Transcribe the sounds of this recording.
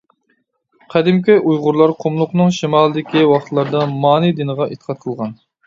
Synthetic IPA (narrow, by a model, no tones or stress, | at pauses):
qʰæd̪ɪmkʲiʔujʁʊɾlˠɑɾqʰʊmlˠʊqnɨŋʃimɑːlˠɨd̪ɪkʲiwɑχt̪ʰlˠɑɾd̪ɑmɑːnɨd̪ɪnəʁɑʔet̪ʰə̥qʰɑt̪̚qʰəlˠʁɑn